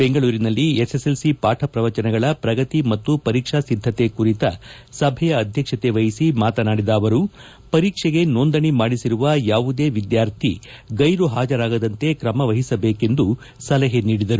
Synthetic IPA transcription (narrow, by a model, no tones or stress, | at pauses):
be̞ŋɡɐɭuːɾinɐlːieseselsipaːʈʰɐpɾɐʋɐt͡ʃɐnɐɡɐɭɐpɾɐɡɐt̪imɐt̪ːupɐɾiːkʂasid̪ʱːɐt̪e̞kuɾit̪ɐ | sɐbʱɛjɐːd̪ʱjɐkʂɐt̪e̞ʋɐjisimaːt̪ɐnaːɽid̪ɐːʋɐɾu | pɐɾiːkʂɛɡe̞nond̪ɐɳimaːɽisiɾuʋɐjaːʋud̪e̞ːʋid̪jaːɾt̪ʰḭɡɐjɾuɦaːd͡ʒɐɾaːɡɐd̪ɐnt̪e̞kɾɐmɐʋɐɦisɐbe̞ːke̞nd̪u | sɐlɛɦeniːɽid̪ɐɾu